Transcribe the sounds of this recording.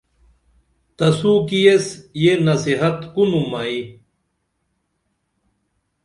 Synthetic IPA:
t̪ɐsukijesjenɐsiɦɐt̪kunumai

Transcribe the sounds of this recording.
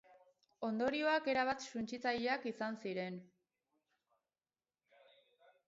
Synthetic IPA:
o̞nd̪o̞ɾio̞ake̞ɾaβ̞at̪sunt͡ʃit͡saʎeakisansiɾe̞n

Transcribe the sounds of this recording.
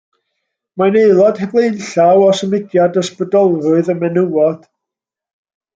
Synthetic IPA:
maneɨlˠɔd̥hɛblˠeɨnɬawɔsəmɪɡjadɔsprədɔlˠvʊɨðəmɛnuwɔd̥

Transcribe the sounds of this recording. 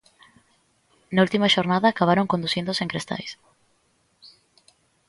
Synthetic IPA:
nault̪imaʃoɾnaðaːkaβ̞aɾoŋkond̪usind̪oseŋkɾest̪a̰js

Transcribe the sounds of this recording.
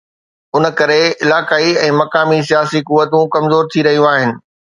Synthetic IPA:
ʊnə̆kɐɾeɪlaːkaːiɛ̃ːmɐkaːmis̬ijaːsikʊʋːət̪ũkɐmzoːɾt̪ʰiɾɐɦijũaːɦɪnɪ̆

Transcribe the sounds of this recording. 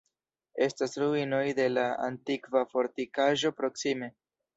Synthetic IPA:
e̞stasɾuino̞jde̞laa̰ntikvafo̞ɾtikaʒo̞pɾo̞ksime̞

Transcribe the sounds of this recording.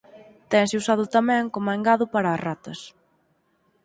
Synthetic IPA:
t̪ɛŋsɪusaðʊt̪ɐmɛ̃ŋkomaŋɡaðʊpaɾaːrat̪ɐs

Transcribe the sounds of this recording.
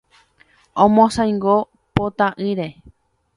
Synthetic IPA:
õmõsãjŋɡo | pot̪aʔɨɾe

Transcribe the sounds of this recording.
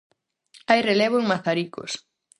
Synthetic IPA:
ajreleβʊŋmaθaɾiko̰s

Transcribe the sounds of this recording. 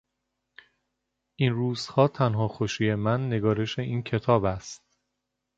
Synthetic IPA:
ʔiːnruːz̥hɒːt̪ʰænɦɒːxoʃiːjemænːe̞ɡɒːɾe̞ʃe̞ʔiːncʰe̞t̪ʰɒːbæst̪̚

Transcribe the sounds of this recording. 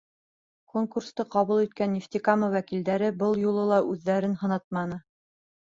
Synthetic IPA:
koŋkurst̪ɤqɑβulˠit̪̚kænːift̪ʲikamɤwækild̪æɾɘbɤlˠjulˠɤlˠɑʔʉðːæɾɘnhɤ̆nɑt̪̚mɑnɤ

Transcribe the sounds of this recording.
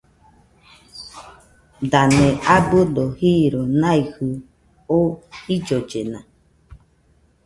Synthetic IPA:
d̪anẽʔabɨd̪ohiɾonãihɨ | oid͡ʒod͡ʒenã

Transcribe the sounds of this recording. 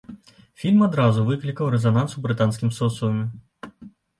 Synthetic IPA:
fʲilʲmad̪ɾazuvɨklʲikɐwɾɛzanansubɾɨt̪ansʲkʲimsɔt̪sɔɐmʲi

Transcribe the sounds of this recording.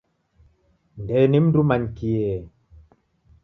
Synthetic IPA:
ndɛnim̩dumaɲkiɛ

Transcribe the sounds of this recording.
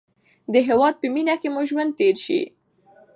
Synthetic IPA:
d̪əɦewɑd̪̚pəminakemuʒwand̪̚t̪eɾʃḭ

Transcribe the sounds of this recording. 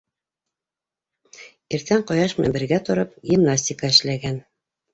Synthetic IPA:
iɾt̪æɴqɑjɑʃmæ̰mbɘ̆ɾɡæt̪ŏɾɤpɡʲimnasʲtʲɪkɑɘ̆ʃlæɡæn

